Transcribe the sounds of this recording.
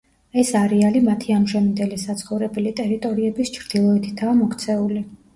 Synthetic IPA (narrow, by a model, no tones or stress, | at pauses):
ɛsaɾialimat̪ʰiamʒɛmind̪ɛlisat̪sʰχɔvɾɛbɛlit̪ʼɛɾit̪ʼɔɾiɛbist͡ʃʰɾd̪̥ilˠɔɛt̪ʰi̥t̪ʰaːmɔkʰt̪sʰɛuli